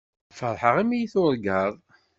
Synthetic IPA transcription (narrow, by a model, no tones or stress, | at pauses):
fəɾˤħəʁimijiθʊɾˤɡəðˤ